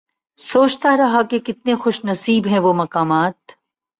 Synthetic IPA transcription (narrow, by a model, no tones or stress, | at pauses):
soːt͡ʃt̪aɾɐɦakekɪt̪̚nexʊʃnɐsiːbɦɛ̃ʋomɐkaːmaːt̪